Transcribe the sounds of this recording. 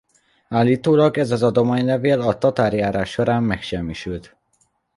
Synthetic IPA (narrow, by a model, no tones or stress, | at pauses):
aːlːiːt̪oːlɒɡɛzɒzɒd̪o̞maːɲlɛveːlɒt̪ɒt̪aːɾjaːɾaːʃːo̞ɾaːmːɛkʃɛmːiʃylt̪